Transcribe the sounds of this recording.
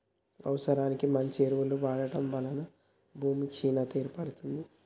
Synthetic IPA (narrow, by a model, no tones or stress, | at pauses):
ɐ̰ʋɐsɐɾaːnikimɐɲt͡ʃeɾʋuluʋaːɽɐʈɐmʋɐlɐnɐ | bʱuːmikʂiːnɐt̪eːɾpɐɽut̪und̪i